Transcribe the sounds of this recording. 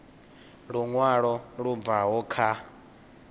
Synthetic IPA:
ɺuŋwaɺɔɺub̪vaɦɔkʰa

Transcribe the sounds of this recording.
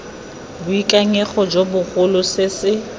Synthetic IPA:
bʊikʼaŋeχɔd͡ʒobʊχʊlʊsɪsɪ

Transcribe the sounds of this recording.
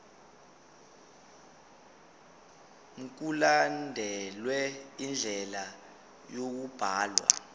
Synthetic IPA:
m̩k̬ulandʱɛlwɛind͡ɮʱɛla | jok̬ub̥ʱaːlwa̰

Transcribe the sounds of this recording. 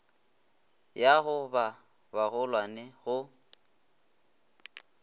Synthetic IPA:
jaɣʊba | baɣʊlwanɪɣʊ

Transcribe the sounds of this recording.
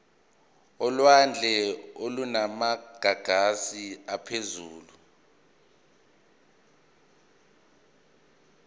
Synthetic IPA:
ɔlwand͡ɮʱɛolunamaɡ̥ʱaɡ̥ʱasiapʰezuːlu

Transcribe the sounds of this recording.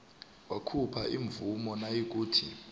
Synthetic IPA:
wakʰupʰaʔiɱbvumɔnajik̬uːtʰi

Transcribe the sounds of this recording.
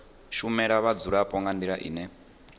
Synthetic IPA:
ʃumɛɺaβad͡zuɺapʼɔŋɡandiɺaʔḭːnɛ

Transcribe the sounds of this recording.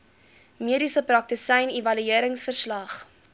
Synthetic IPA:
miəɾisəpɾɐk̚təsɛjnivɐlyiəɾəŋsfərslɐχ

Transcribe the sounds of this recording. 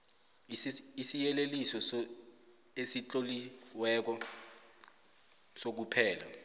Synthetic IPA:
isijɛlelisɔs | esit͡ɬʼoliwɛk̬ɔ | sok̬upʰɛːla̰

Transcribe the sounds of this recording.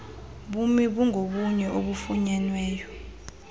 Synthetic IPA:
ɓumiɓuŋʱoɓuɲɛoɓufuɲɛnwɛːjɔ

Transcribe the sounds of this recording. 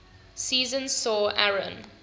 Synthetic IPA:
siːzə̃nsɔːʔaɹə̰̃n

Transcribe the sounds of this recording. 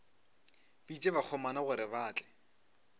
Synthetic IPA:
bit͡ʃʼeβak͡xʰɔmanaɣʊɾɪbaːt͡ɬʼɛ̥

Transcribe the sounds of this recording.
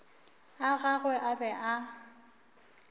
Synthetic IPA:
aɣaɣwɛʔabɛʔa

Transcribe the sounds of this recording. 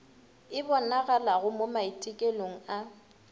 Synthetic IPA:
ɪbɔnaɣalaɣʊmomaitʼɪkʼeloŋ̩a

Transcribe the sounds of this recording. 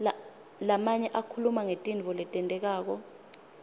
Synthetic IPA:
lamaɲɛʔakʰulumaŋetʼinvʱɔlɛtʼɛntʼɛk̬aːk̬ɔ

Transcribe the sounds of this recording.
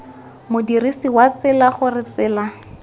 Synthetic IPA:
mʊdirisiwat͡sɪlaχʊrɪt͡sɪːla

